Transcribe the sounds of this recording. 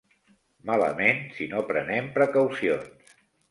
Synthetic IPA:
malə̰mensinopɾənɛmpɾəkawsions

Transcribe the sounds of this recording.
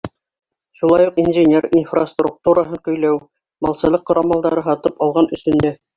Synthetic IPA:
ʃulˠɑjuqinʒɘnʲerinfrast̪ruk̚t̪uɾaɦɤɴkɵ̆jlæw | mɑlˠsɤ̆lˠɤqːŏɾɑmɑlˠd̪ɑɾɤɦɑt̪ɤpɑlˠʁɑnɵ̆sɵ̆nd̪æ

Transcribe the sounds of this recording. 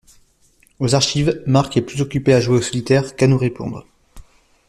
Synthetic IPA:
ozaʁʃivmaʁkɛplyzɔkʲypeaʒweosɔlit̪ɛʁkanuʁepɔ̰̃d̪ʁ

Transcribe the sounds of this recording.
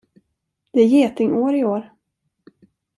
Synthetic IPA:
d̪̥ɛæɾjeːt̪ɪŋʔoːɾɪoːɾ

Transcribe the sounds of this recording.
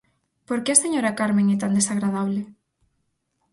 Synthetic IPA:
poɾkeaseɲoɾakaɾmẽŋɛt̪and̪esaɣɾað̞aβ̞le

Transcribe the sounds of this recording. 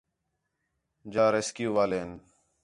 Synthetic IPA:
d͡ʒaːɾeːskjuːʋaːleːɦn

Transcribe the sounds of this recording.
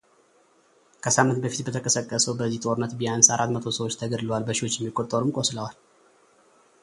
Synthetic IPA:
kʰəsamːɨnt̪̚bəfi̥t̪bət̪ʰəkʼəsəkʼːəsəwbəzːiht̪ʼo̞ɾɨnːət̪bijansaɾʔat̪mət̪ʰo̞səwot͡ʃːt̪ʰəɡəd̪ɨləwalbəʃiwo̞t͡ʃːjɛmːikʼot̪ʼːəɾumkʼosləwal

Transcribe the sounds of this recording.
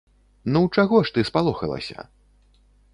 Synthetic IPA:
nuwt͡ʂaɣɔʂt̪ɨspalˠɔxɐ̰lˠɐ̰sʲɐ̰

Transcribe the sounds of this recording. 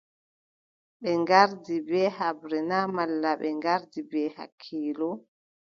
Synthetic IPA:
ɓɛŋɡaɾdibɛːhabɾɛnamalːaɓɛŋɡaɾdibɛːha̰kʰːiːlɔ

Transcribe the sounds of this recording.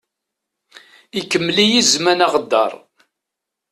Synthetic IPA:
ikːəmːlijizmænaʁəd̪ːɑ̰ɾˤ

